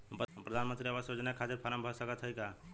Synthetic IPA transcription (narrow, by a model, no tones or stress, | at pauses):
ppɾəd̪ʱanmənt̪ɾiabasjod͡ʒnakʰaseɾpʰaɾəmbʱɔsəkət̪ɦəjka